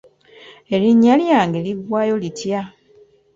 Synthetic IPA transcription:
eliɲːaljaːŋɡe̞liɡwaːjo̞litja

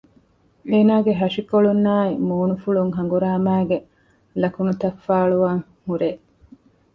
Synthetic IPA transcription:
eːnaːɡeɦɐʂikoɭunːaːimuːnufuɭuŋɦɐŋ̆ɡuɾaːmæːɡe | lɐkunut̪ɐfːaːɭuʋaːŋ | huɾeː

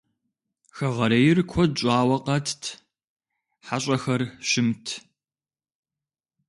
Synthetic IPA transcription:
xɐʁɐɾɐjɪrkʷʰɔt͡ʃʷʼɑːwɐqɐtʰtʰ | ħaɕʼɐxɐrʃɪmtʰ

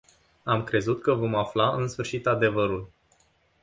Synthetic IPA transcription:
amkɾe̞zut̪kəvo̞maflaɨnsfɨrʃit̪ad̪e̞vəɾul

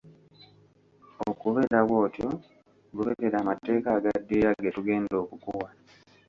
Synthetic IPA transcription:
okuβe̞ɾaβwo̞ːtjo̞ | ɡuβeɾeɾaːmate̞ːkaːɡadːijaɡetuɡe̞ːndo̞ːkukuwa

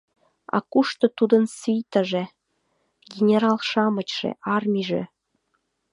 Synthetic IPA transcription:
ɑ̰kuʃt̪ɤ̆t̪ud̪ə̆nsyjt̪ə̆ʒĕ | ɡʲenʲeɾɑlʃɑmə̆t͡ɕʃḛʔɑrmʲiʒḛ̆

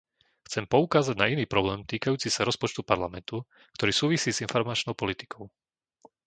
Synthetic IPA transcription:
xt͡sɛmpɔukaːzaɟnainiːpɾɔblɛːmt̪iːkajuːt͡sisaɾɔspɔt͡ʃt̪upaɾlamɛnt̪u | kt̪ɔɾiːsuːʋisiːzinfɔɾmat͡ʃnɔʊpɔlit̪i̥kɔʊ

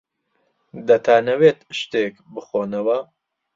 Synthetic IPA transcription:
d̪ɐt̪ʰaːnɐweːt̪ʃt̪eːkbɨxoːnɐwɐ

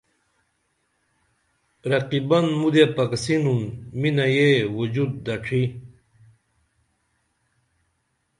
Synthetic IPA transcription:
ɾɐqibɐnmud̪jepɐksinunminajewud͡ʑud̪̚ːɐʈ͡ʂʰi

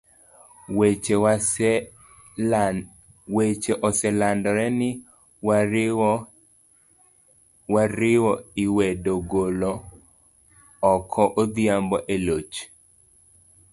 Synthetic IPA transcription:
wet͡ʃeʔɔsɛlandɔɾɛnɪ | waɾɪwɔiwɛdoɡolɔ | kʰɔʔod̪ɪambɔʔelot͡ʃ

